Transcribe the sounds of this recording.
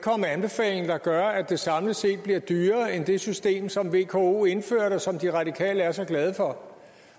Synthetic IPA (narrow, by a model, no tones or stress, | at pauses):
kʰɒ̽məænb̥e̝fɛ̰ːle̝ŋ̩d̥ɑ̈ɡ̥ɶɐæd̥e̝sɑ̈mləse̝̰ːd̥̚b̥liɐd̥yːɐːend̥e̝sysd̥e̝̰ːmsɒ̽mʋe̝kʰo̝o̝̰ːe̝nfø̰ːɐ̰ɾ̥ɑsɒ̽md̥iʁɑ̈dikʰɛ̰ːləæɐsɒ̽ɡ̥lɛð̞ˠəfɒ̽